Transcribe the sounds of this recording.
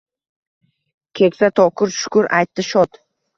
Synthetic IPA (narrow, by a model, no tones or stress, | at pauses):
kʲʰekʲsat̪ʰɒkʰʊɾʃʊ̥kʊɾʔa̰jt̪ʰːɪʃɒt̪